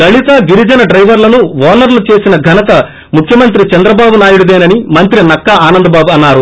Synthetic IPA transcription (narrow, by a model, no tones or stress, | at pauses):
d̪ɐɭit̪ɐɡiɾid͡ʒɐnɐɖɾɐjʋɐɾlɐnuʋɔːnɐɾlut͡ʃe̞ːsinɐɡʱɐnɐt̪ɐ | mukʰjɐmɐnt̪̬ɾit͡ʃɐnd̪ɾɐbaːbunaːjuɽud̪eːnɐnimɐnt̪ɾinɐkːɐaːnɐnd̪ɐbaːbuɐnːaːɾu